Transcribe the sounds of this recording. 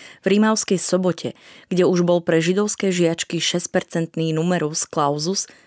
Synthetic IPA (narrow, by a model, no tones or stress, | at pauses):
vɾimaʊskɛjsɔbɔcʰɛɡ̥ɟɛuʒbɔlpɾɛʒid̪ɔʊskɛːʒɪat͡ʃkiʃɛsc̚pɛɾt͡sɛnt̪niːnumɛɾusklaʊzus